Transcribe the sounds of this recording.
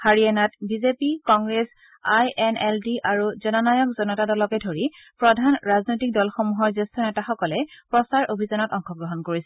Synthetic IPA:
haɹiɛnatbizepikɔŋɡɹes | ajɛnɛldiʔaɹuzɔnɔnajɔk̚zɔnɔtadɔlɔkɛdʱoɹi | pɹɔdʱanɹaznojtik̚dɔlxomuɦɔɹzestɔnɛtaxɔkɔlɛpɹɔsaɹʔobʱizɔnɔtɔŋxɔɡɹɔɦɔnkoɹisɛ

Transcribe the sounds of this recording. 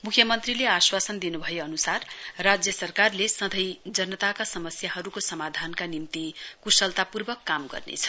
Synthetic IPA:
mukʰjʌmʌnt̪rileaswasʌnd̪inubʱʌjeʌnusarːad͡zjʌsʌrkarlesʌd̪ʱʌjd͡zʌnʌt̪akasʌmʌsjaɦʌɾukosʌmad̪ʱankanimt̪ikusʌlt̪apurbʌkːamɡʌ̰rnḛt͡sʰʌ̥

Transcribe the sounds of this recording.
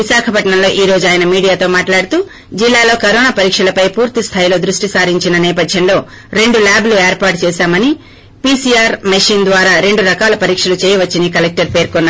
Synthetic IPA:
ʋiʃaːkʰɐpɐʈɳɐmlo̞ːʔiːɾo̞ːd͡ʒuaːjɐnɐmiːɽijaːt̪o̞ːmaːʈlaːɽut̪uː | d͡ʒilːaːlo̞ːkɐɾoːnaːpɐɾiːkʂɐlɐpɐjpuːɾt̪ist̪ʰaːjlo̞ːd̪ɾuʂʈisaːɾiɲt͡ʃinɐnɛːpɐd̪ʱjɐnlo̞ː | ɾe̞ɳɖulaːblueːɾpaːɾʈ̚t͡ʃɛːʃaːmɐni | piːsijaːɾmɐʂiːnd̪ʋaːɾaːɾe̞ɳɖuɾɐkaːlɐpɐɾiːkʂɐlut͡ʃeːjɐʋɐt͡ʃːinikɐlek̚ʈɐɾpe̞ːɾkɔnːa

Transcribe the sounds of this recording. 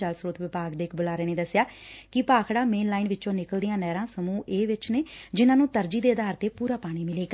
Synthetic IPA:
əlsɾuːt̪ʋɪpaːɡd̪eːkʰbʊlaːɾeːneːd̪əsːjaːkɪpaːkʰɽaːmeːnlaːɪnʋɪt͡ʃõːnɪkəld̪ɪjãːnɛːɾãːsəmũːʔeːʋɪt͡ʃneːd͡ʒɪnãːnũːt̪əɾd͡ʒiːd̪eːəd̪aːɾt̪eːpuːɾaːpaːɽ̃iːmɪleːɡa

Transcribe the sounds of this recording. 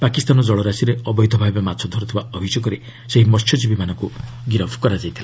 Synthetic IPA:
pakist̪anɔd͡ʒɔɭɔɾasiɾeɔbɔjd̪ʱɔbʱabematt͡ʃʰɔd̪ʱɔɾɔt̪ʰibaɔbʱisɔkɔɾi | seɦimɔtʰjɔd͡ʒibimanɔŋku | ɡiɾɔbʱɔkɔɾad͡ʒajt̪ʰila

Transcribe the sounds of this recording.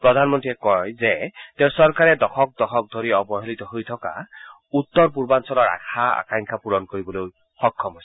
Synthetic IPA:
pɹɔdʱanmɔntɹiɛkɔjzɛteʊ̃sɔɹkaɹɛdɔxʰɔk̚dɔxʰɔk̚dʱoɹiɔbɔɦelitɔɦojtʰɔka̰ | utːɔɹpuɹbansɔlɔɹa̰kʰaa̰kaŋkʰapuɹɔnkoɹibɔloj | xɔkʰːɔmɦojs

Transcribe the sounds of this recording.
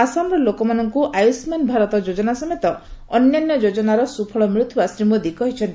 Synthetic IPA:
asamɾɔlokɔmanɔŋkuʔajusmanbʱaɾɔt̪ɔd͡ʒod͡ʒɔnasɔmet̪ɔɔnjanjɔd͡ʒod͡ʒɔnaɾɔsupʰɔɭɔmɾut̪ʰːɔbasɾimɔd̪ikɔɦit͡ʃʰɔnt̪i

